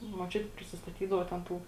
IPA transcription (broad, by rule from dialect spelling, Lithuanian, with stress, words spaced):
muɔˈt͡ʃʲʊtʲɪ pʲrʲɪsʲɪsˈtɑːtʲiːdɐʋoː tʲɛn ˈtuː